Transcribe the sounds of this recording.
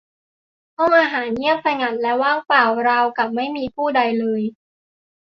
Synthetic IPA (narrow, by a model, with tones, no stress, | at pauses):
kʰɔ˥˩ŋʔaː˧ɦaː˩˦nɲi˥˩əm̚t̪ʰa˧jŋa˧˩nlɛ˦˥waː˥˩ŋpaː˨˩wɾaː˧wka˨˩p̚ma˥˩jmiː˧pʰuː˥˩da˧jlɤː˧j